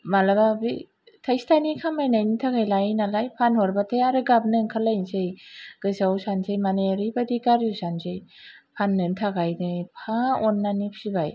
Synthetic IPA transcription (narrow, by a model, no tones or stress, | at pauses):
malababi | tʰajstʰanikʰamajnajnitʰaɡajlajnalajpʰanhɔɾbatʰajaɾɯɡab̚nɯŋkʰalajnzejɡ̥ɯzawsanzejmaneɾibadikaɾjusanzej | pʰanːɯntʰaɡajnɯpʰaɔnːanipʰsibaj